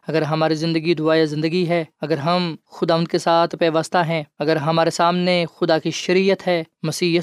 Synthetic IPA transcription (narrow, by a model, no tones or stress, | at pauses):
ɐɡəɾɦɐmaːɾizɪ̃nd̪əɡid̪ʊaːjazɪ̃nd̪əɡiɦɛːɐɡəɾɦɐmxʊd̪aːʋə̃nd̪kesaːt̪ʰpɛːʋast̪aɦɛ̃ːɐɡəɾɦɐmaːɾesaːmnexʊd̪akiʃɐɾiːjət̪ɦɛːmɐsiː